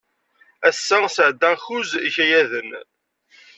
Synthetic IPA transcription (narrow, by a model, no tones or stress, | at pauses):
æsːæsəʕd̪ːæxuziçæjæðən